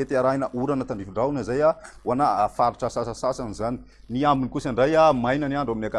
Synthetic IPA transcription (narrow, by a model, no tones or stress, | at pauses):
et̪iaɾainəʔuɾanət̪aɳɖ͡ʐifiɳɖ͡ʐaunazajawanaafaɾiʈ͡ʂasasasasanizani̥ | niambinikusaɳɖ͡ʐajamajnaniaɳɖ͡ʐaminaka